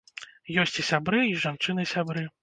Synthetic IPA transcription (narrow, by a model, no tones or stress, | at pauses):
jɔsʲt͡sʲisʲabɾɨiʐant͡ʂɨnɨsʲabɾɨ